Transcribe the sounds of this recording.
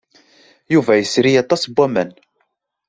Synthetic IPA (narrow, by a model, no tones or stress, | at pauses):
juvæjəsɾijɑt̪ˤːɑsbʷːæmæn